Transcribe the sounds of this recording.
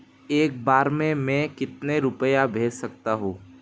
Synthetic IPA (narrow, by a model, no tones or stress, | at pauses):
eːk̚baːɾmẽmɛ̃kɪt̪neɾʊpəjabʱeːd͡ʒsɐk̚t̪aɦũː